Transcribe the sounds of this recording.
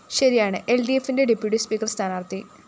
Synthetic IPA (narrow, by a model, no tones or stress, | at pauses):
ɕɐɾijaːɳɨʔe̞lɖiefːinde̞ɖipːjuʈːispiːkːɐrst̪ʰaːnaːrt̪ːi